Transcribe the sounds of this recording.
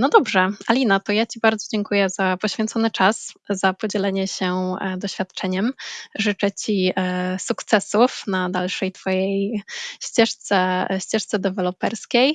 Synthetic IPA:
nɔd̪ɔbʐɛalʲinat̪ɔjat͡ɕibaɾd̪zɔd͡ʑɛŋkujɛzapɔɕfʲjɛnt̪sɔnɘt͡ʂaszapɔd͡ʑɛlɛɲɛɕɛd̪ɔɕfʲjat̪t͡ʂɛɲɛmʐɘt͡ʂɛt͡ɕisukt̪sɛsufnad̪alʂɛjt̪fɔjejɕt͡ɕɛʂt̪sɛɕt͡ɕɛʂt̪sɛd̪ɛvɛlɔpɛɾskʲej

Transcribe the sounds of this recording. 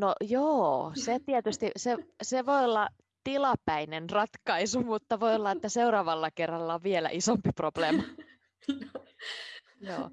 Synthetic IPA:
nojoːset̪iet̪yst̪iseseʋoiolːɑ | t̪ilɑpæinenrɑt̪kɑisumut̪ːɑʋo̞jolːɑet̪ːæseuɾɑːʋɑlːɑkerːɑlːɑʋʋielæ̰ʔisompiprob̥leːmɑ | jo̰ː

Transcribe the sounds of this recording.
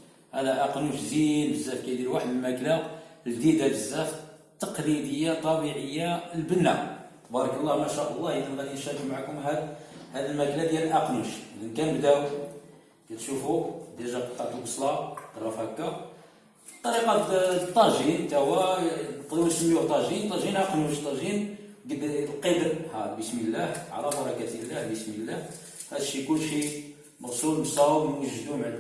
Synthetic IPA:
ʔælæʔɑqnuʃzinbəzːæfkæjd̪ilwaħəd̪əlmæklald̪id̪ædəzːæft̪ːɑqlid̪əjːat̪ˤɑbiʕəjːalbənːa | bɑɾˤɑkəlˤːɑhmæʃæʔəlˤːɑhjəd̪ənd̪ænjənʃæɾəkmaʕakʊmɦæd̪hæd̪əlmæklæd̪jælʔɑqnuʃlənkænbd̪æw | kæt̪ʃufud̪jælʒæqət̪ːɑʕt̪əlbɑsˤlɑkrˤːɑfækːæ | fit̪ˤːɑɾiqɑt̪ˤːɑʒint̪æwænqd̪unsəmːiuht̪ˤɑʒint̪ˤːɑʒinʔɑqnuʃt̪ˤɑʒinɡəd̪lqəd̪əɾhæbəsməlːæhʕlæbɑɾˤɑkæt̪ilːæhbəsmilːæh | hæd̪ʃikʊlːʃi | mɑɣsˤulbsˤɑbənwəʒːd̪umʕ

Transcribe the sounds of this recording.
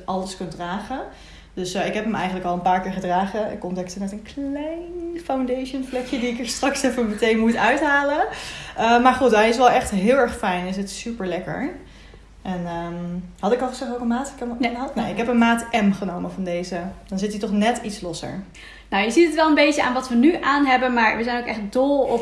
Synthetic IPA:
ɑləskɵntdraːχə | d̥ɵsɪkɦɛpəmɛjχənləkɑlˠənpaːɹkɪːɹχədraːχəɪ̰kɔndɛktənmɛtənklɛjnfawndejʃənflɛkjədiɪkəɹstrɑksɛfəmətejnmutœɥtɦaːləəmaːɹχutɛɪs̬ʋɛlˠɛχtɦɪːlˠɛɹχfɛjnɪs̬ətsypəɹlɛkə̰ɹ | ʔɛnəhɑtɪkɑlˠχəsɛχowkənmaːtkɛnanaɪkɦɛpənmaːtɛmχənowməvɑndejzəd̥ɔnzɪtitɔχnɛtitslɔsə̰ɹ | nawjəzitətʋɛlˠənbejtəa̰ːnʋɑtʋənyʔaːnɦɛbənmaːɹʋəzɛjnowkɛχələɡ̚dɔlˠɔp

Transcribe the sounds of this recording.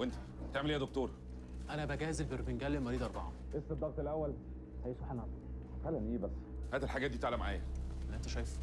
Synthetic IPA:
went̪æ̥ | t̪eʕmelʔjæd̪ok̚t̪oːɾˤ | ʔænæbæɡæːhzelbeɾbenɡælːelmɑɾiːd̪ʔɑɾˤbɑʕɑ̰ʔesːed̪ːɑɣt̪elʔæwːæl | hæjeʃbħenɑɑ | xælːænʔeːbæsːhæːd̪æelħaɡæːt̪̚iːt̪eʕlæmaʕa̰ːjæ̰ʔenʔent̪æʃɑːjes

